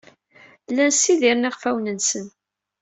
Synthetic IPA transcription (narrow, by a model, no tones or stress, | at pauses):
lːænsiðiɾniʁfæwnənsən